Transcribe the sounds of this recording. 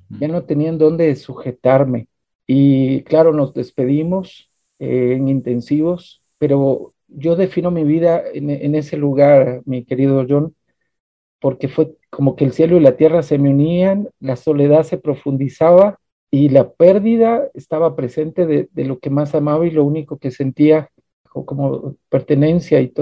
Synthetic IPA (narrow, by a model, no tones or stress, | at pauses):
ʝano̞t̪e̞niand̪o̞nd̪esuxe̞t̪aɾme̞ | iklaɾo̞no̞zðe̞spe̞ðimo̞s | ḛːŋint̪e̞nsiβo̞s | pe̞ɾo̞ | ʝo̞ðe̞fino̞miβiðaenene̞se̞luɣaɾmike̞ɾiðo̞ʝo̞n | po̞ɾke̞fwe̞kʰo̞mo̞ke̞ːlsje̞loilat̪je̞rase̞meunianlaso̞le̞ðaðse̞pɾo̞fund̪isaβa | ilape̞ɾðiðaest̪aβapɾe̞se̞nt̪e̞ðeðe̞̰lo̞ke̞masamaβailo̞uniko̞ke̞se̞nt̪ia | oko̞mo̰pe̞ɾt̪e̞ne̞nsjait̪o